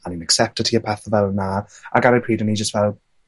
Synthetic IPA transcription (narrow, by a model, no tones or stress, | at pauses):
ãninəksɛp̚tədtʰiəpʰaθəvɛlˠnaa̰ɡanapʰiːdəniːd͡ʒəstvɛlˠ